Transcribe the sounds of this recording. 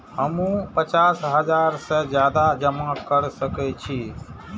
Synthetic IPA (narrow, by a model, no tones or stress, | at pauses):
həmũpət͡ʃasɦəd͡ʒaɾsəd͡ʒjad̪ad͡ʒəmakəɾsəkɛt͡ʃʰi